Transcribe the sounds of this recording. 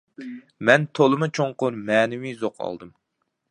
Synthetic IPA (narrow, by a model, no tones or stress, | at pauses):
mɛnt̪ʰolˠɨmɨt͡ʃʰoŋqʊɾmɛːnɪwizoqʰɑ̰lˠd̪ɨm